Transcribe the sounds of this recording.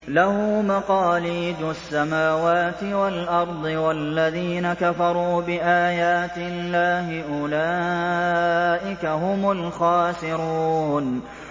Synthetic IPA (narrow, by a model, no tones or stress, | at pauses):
lahʊmaqɑːliːd͡ʒʊasːamaːwaːt̪ɪwalʔɑɾˤd̪ˤɨwalːaðiːnakafɑɾˤuːbɪʔaːjaːt̪ɪlːaːhɪʔʊlaː | ʔɪkaɦʊmʊlxaːsɪɾuːn